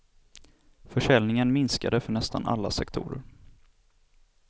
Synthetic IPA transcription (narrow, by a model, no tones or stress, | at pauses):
fœʂɛlnɪŋənmɪnskad̪əfœɳɛst̪ana̰lːasɛkt̪ʰṵːɾə̰ɾ